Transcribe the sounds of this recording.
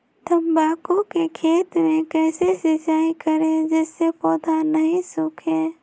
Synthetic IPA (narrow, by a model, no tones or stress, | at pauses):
t̪əmbaːkõkekʰeːt̪mẽkɛːsesɪd͡ʒaːikəɾed͡ʒɛːsːepɔːd̪ʱanəɦĩsukʰe